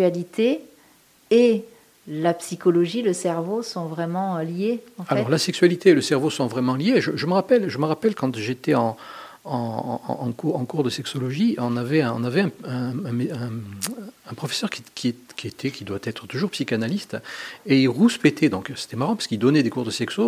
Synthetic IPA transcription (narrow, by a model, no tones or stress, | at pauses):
alit̪e | e | lapsikɔlɔʒiləsɛʁvosɔ̃vʁɛmɑ̃ljeɑ̃alɔʁlasɛksɥalit̪eːləsɛʁvosɔ̃vʁɛmɑ̃ljeʒəʒəməʁapɛlʒəməʁapɛlkɑ̃t̪ʒet̪ɛɑ̃ | ɑ̰̃ɑ̰̃kuʁɑ̰̃kuʁd̪əsɛksɔlɔʒiʔɔ̃navɛɛ̃ɔ̰̃navɛɛ̃ɛ̃ɛ̃meɛ̃ː | pχɔfɛ̥sœʁkʲikʲʰiekʲiet̪ʰɛkʲid̪wat̪ɛt̪χət̪uʒuʁpsikanalist̪eiʁuspet̪ʰɛd̪ɔ̃kse̥t̪ɛmaʁɑ̃pḁskild̪ɔnɛd̪ekuʁd̪əsɛkso